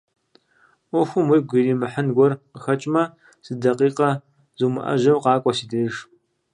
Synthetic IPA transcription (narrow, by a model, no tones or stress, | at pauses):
ɔxʷʊmwijɡʷiriːmɨħənɡʷɔrqəxɐt͡ʃʼmɐ | z̥ɨdɐqiːqɐ | zuːmɨ̰ʔɐ̰ʒɐwqɑːkʷʼɔsiːdeːjʒ